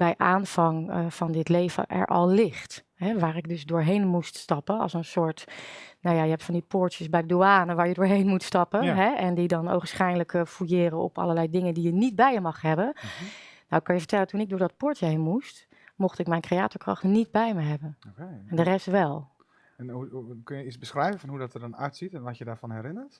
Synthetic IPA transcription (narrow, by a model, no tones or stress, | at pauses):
b̥ɛjʔaːnv̥ɑŋvɑndɪtlejvə̰ʔɛ̰ɹʔɑ̰lˠlɪχt | ɦɛʋaːɹɪɡ̚dɵzdʊːɹɦejnmuststɑpənɑ̰lˠsənsʊːɹtnawjajəɦɛptfɑndipʊːɹtjəsbɛjdəduaːnəʋaːɹjədʊːɹɦejnmutstɑpəɦɛɛndidɑno̰wəsχɛjnləkfujɪːɾənɔ̰pɑ̰ləlɛjdɪŋəndijənid̚bɛjjəmɑχɦɛbən | nawɪkːɑnjəvəɹtɛlətunɪɡ̚dʊːɹdɑt̚pʊːɹtəɦejnmust | mɔχtɪkmɛjnkreaːtɔɹkrɑ̰χtnid̚bɛjməɦɛbənokeɛndərɛstʋɛlˠ | ɛnukɵnjəisbəsχrɛjvəfɔnɦudɔtədɔnœ̰ɥtsitɛnʋɔtjədaːɹfɔnɦɛɾɪnəɹt